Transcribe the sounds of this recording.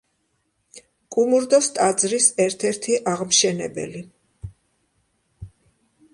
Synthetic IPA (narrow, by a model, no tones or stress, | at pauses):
kʼumuɾd̪ɔst̪ʼad̪zɾisɛɾt̪ʰɛɾt̪ʰiʔaʁmʃɛnɛbɛ̰li